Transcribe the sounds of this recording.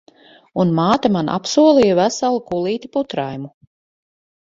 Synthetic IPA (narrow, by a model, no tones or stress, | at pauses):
unmaːt̪amanʔa̰psuɔlˠijavæsalˠukulˠiːt̪ʲiput̪ɾajmu